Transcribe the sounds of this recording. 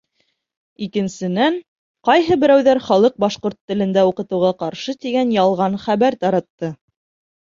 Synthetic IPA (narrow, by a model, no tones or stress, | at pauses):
ikɘ̆nsɘ̆næɴ | qɑjɦɤbɘ̆ɾæwðæɾχɑlˠɤq̚bɑʃqoɾt̪ːɘ̆lɘ̆nd̪æuqɤ̆t̪ɤ̆wʁɑqɑɾʃɤt̪iɡænjɑlˠʁɑnχæβæɾt̪ɑɾɑt̪ːɤ